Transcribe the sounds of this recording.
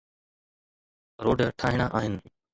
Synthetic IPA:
ɾoːɖʈʰaːɦɪɽ̃aːʔaːɦɪnɪ

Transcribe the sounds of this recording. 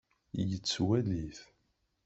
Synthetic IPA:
jət͡sːwæliθ

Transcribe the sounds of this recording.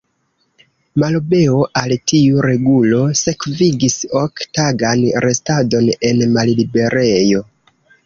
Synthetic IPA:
malobe̞o̞ʔaltiuɾe̞ɡulo̞se̞kviɡisoktaɡanɾʔe̞stado̞ne̞nmallibe̞ɾejo̞

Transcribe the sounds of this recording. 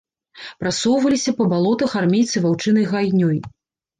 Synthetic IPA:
pɾasɔwvɐlʲisʲɐpɐbalˠɔt̪ɐxarmʲejt̪sɨvawt͡ʂɨnɐjɣajnʲɔj

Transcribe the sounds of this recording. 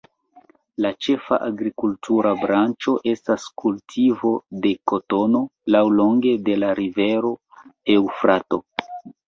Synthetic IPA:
lat͡ʃe̞fa̰ʔaɡɾikultuɾabɾant͡ʃo̞ʔe̞staskʰultʰivo̞de̞ko̞to̞no̞lawlo̞ŋɡe̞de̞laɾive̞ɾo̞ | e̞wfɾato̞

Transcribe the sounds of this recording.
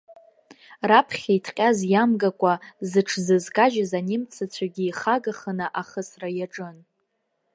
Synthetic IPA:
rapʰχʲajtʰqʲʼazjamɡakʷʼazɨʈ͡ʂʰzɨzkʼaʒazanɪmt͡sʰat͡ɕʷʰaɡʲiːχaɡaχənɨʔaχəsrajaʈ͡ʂʼɨn

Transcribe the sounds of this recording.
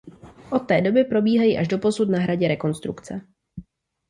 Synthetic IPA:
ʔo̞t̪ːɛːdo̞bɪpɾo̞biːɦajiʔaʒdo̞po̞sut̪naɦɾaɟɛɾɛko̞nst̪ɾukt͡sɛ

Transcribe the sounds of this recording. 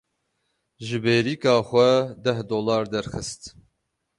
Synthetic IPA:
ʒɨbeːɾiːkɑːxʷɛd̪ɛhd̪oːlɑːɾd̪ɛɾxɨst̪

